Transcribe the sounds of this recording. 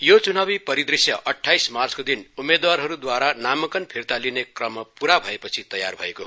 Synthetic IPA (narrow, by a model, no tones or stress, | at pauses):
jot͡sunabipʌɾid̪risjʌʔʌʈʰːajsmart͡skod̪inumːed̪warɦʌɾud̪waɾanamʌkʌnpʰirt̪alinekrʌmʌpuɾabʱʌepʌt͡sʰit̪ʌja̰rbʱʌ̰ekoɦ